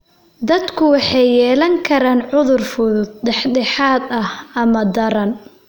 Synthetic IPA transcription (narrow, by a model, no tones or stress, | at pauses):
d̪ɐd̪kʰʊwɑħɑjːɛːlɐŋkʰɐɾaːnʕʊðʊrfʊðʊd̪̚ɖɛħɖɛħaːd̪ɐhɐmɐd̪ɐɾɐn